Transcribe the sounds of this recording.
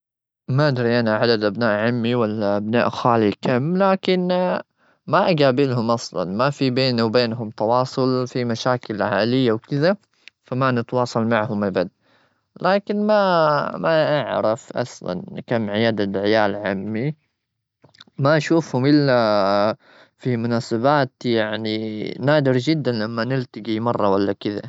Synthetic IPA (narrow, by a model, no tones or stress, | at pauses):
maʔad̪ɾiʔanaʕad̪ad̪ʔabnaːʔʕamːiwalːaʔabna̰ːʔxaːlikʰamːlaːkɪn | maʔaɡaːbɪlhʊmʔɑsˤlɑ̰nmafibeːnawbeːnɦʊmt̪ɑwɑːsˤʊlfimaʃaːkɪlʕaːlɪjːawkɪða | famanɪt̪wɑːsˤɑlmaʕhʊmʔabad̪̚ | laːkɪnmamaʔaʕɾɪfʔɑ̰sˤlɑ̰nkamːʕɪjaːd̪adʕɪjaːlʕamːi | maʔaʃuːfhʊmʔɪlːa | fimʊnaːsabaːt̪jaʕninaːd̪ɪɾd͡ʒɪd̪ːanlamːanɪlt̪aɡimɑrˤːɑwalːakɪða̰